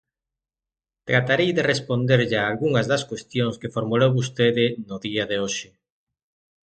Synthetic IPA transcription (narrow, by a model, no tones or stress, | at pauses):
t̪ɾat̪aɾejðerespond̪eɾʎaːlɣuŋɐzðɐskwest̪joŋskefoɾmulowβust̪eðɪnʊðiaðeoʃɪ